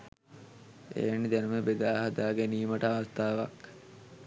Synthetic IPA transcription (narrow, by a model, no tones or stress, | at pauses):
ḛːnːid̪ænuməbed̪aːɦad̪aːɡeniːməʈəaʋast̪aːʋak